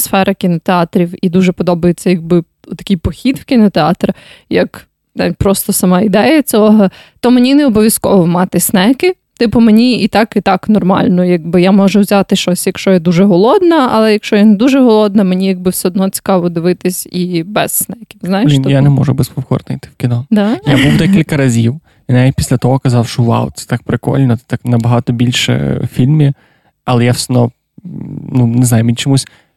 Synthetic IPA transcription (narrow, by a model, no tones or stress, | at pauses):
sfɛɾʔɐkʲinɔt̪eɑt̪ɾʲiwid̪uʒɛpɔd̪ɔbɐjet͡sʲːɐjɐɡ̚bɪ | t̪ɐ̥kʲijpɔxʲid̪wkʲinɔt̪eɑt̪ɾɐjɐk | t̪ɛpɾɔst̪ɔsɐmɑid̪ɛjɐt͡sʲɔɔɦɐt̪ɔmenʲineɔbɔʋʲjɐskɔ̰ʋɔmɑt̪ɪsnɛkɪ | t̪ɪpʊmenʲiit̪ɑkit̪ɑknɔrmɑ̰lʲnɔjɐɡ̚bɪjamɔʒɛwzʲat̪ɪʃt͡ʃɔsʲjɐkʃt͡ʃɔjɛd̪uʒɛɦɔlˠɔd̪nɐɐ̰lˠɛjɐkʃt͡ʃɔjɛnɛd̪uʒɛɦɔlˠɔd̪nɐmenʲijɐɡ̚bɪwsʲɛɔd̪nɔt͡sʲi̥kɑʋɔd̪ɪʋɪt̪ɪsʲibɛzsnɛjɐkʲɪmznɑjɪʃnjanɛmɔ̰ʒʊbɛspɔwkɔ̰rnɪjt̪ɪ̥wkʲinɔd̪ajabuwd̪ɛkʲilʲkɐɾɐzʲiw | inait̪ʲpʲi̥sʲlʲɐt̪ɔɦɔkɐzɑwʃɔwa̰wt̪sɛ̥t̪ɑk̚pɾɪkɔ̰lʲnɔt̪ɛt̪aknɐbɐɦɑt̪ɔbʲilʲʃɛ̰fʲilʲmʲi | ɐlˠɛjawsʲnɔ | nunɛznajʊminʲt͡ʃɔmusʲ